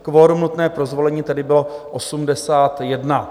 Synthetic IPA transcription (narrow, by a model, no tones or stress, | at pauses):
kvoːɾumnut̪nɛːpɾozvo̞lɛɲiːt̪ɛdɪbɪloʔosumdɛsaːt̪jɛdna